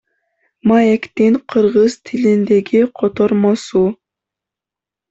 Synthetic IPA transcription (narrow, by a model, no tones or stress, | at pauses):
majekt̪iŋqʰɯɾʁɯz̥t̪ʰilind̪e̞ɡiqʰot̪oɾmosu